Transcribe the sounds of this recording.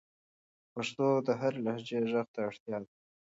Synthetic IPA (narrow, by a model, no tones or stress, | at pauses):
paʂt̪od̪əɦaɾlahd͡ʒeʒəxt̪aaɽt̪jɑd̪a